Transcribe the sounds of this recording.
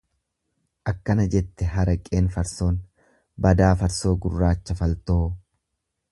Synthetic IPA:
ʔɐkːɐnɐd͡ʒɛt̪ːɛɦɐɾɐkʼe̞ːnfɐɾso̞ːn | bɐd̪aːfɐɾso̞ːɡʊrːaːt͡ʃːɐfɐlt̪o̞ː

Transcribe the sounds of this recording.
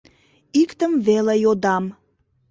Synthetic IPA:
ikt̪əmvelejod̪ɑm

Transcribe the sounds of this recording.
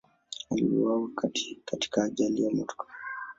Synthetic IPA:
alḭṵwawikati̥kati̥kaːʄalijamutkḁ

